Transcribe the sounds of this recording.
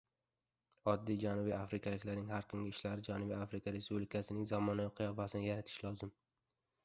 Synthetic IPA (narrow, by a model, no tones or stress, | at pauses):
ɒd̪ːijd͡ʒanʊbiafɾɪkʰʲalɪkʲlaɾnɪŋhaɾkʰʊŋɡʲɪɪʃlaɾɪd͡ʒanʊbiafɾɪkʰaɾe̞spublɪkʰasɪnɪŋzamɒnaqʰɨjɒfasɪnɪjaɾat̪ʰɪ̥ʃlɒzɪm